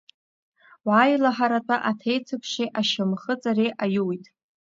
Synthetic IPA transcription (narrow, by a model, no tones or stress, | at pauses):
waːjlaħaɾatʷʼaʔatʰejt͡sʰɨkʰʃeʔaʃamχət͡sʼareʔajuwitʼ